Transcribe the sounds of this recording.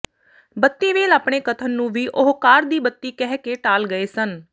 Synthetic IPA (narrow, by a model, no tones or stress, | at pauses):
bət̪ːiːʋeːlaːpɳeːkət̪ʰənnũːʋiːʔʊɦkaːɾd̪iːbət̪ːiːkɛːɦkeːʈaːlɡəeːsən